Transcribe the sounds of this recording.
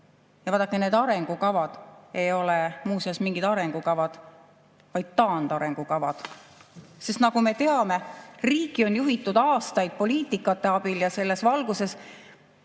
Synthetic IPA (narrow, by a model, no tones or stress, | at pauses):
jɑvɑːd̪ɑkːˑene̞ːd̪̥ɑɾe̞ŋɡ̥ukɑvɑd̪̥e̞jo̞lemuːsiɑsmiŋɡ̥id̪̥ɑɾe̞ŋɡ̥ukɑvɑd̪̥ | vɑjd̪̥̚t̪ɑːnd̪ɑɾe̞ŋɡ̥ukɑvɑd̪̥ | se̞st̪nɑɡume̞t̪e̞ɑme̞riːkˑio̞njuɦit̪ːˑud̪̥ɑːst̪ɑjd̪̥̚po̞liːt̪ˑikːˑɑt̪ːe̞ɑb̥iljɑse̞lːe̞svɑlɡ̥use̞s